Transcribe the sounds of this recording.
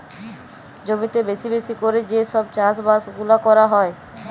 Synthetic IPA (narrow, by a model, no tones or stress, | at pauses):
d͡ʑomit̪ebesibesikoɾed͡ʑeʃɔb̚t͡ɕasbasɡulakɔɾaɦɔe